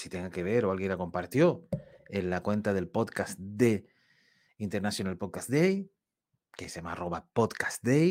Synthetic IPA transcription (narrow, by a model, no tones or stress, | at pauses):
sit̪e̞ŋɡake̞β̞e̞ɾo̞alɣje̞nlako̞mpaɾt̪jo̞enlakwe̞nt̪aðe̞lpot̪kasd̪e | int̪eɾnasjonalpot̪̚kasd̪ej | kesama̰ro̞βapot̪kḁsd̪ej